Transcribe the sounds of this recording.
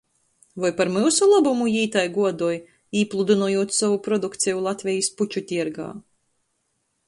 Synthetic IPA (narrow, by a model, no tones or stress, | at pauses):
vajpaɾmɨwsulˠabumujiːt̪ajɡuɔd̪uɔj | iːplˠud̪unuɔjuɔt̪sɔvupɾɔd̪ukt̪sʲɛjulˠat̪vʲɛjisput͡ʃut̪ʲiɛɾɡa̰ː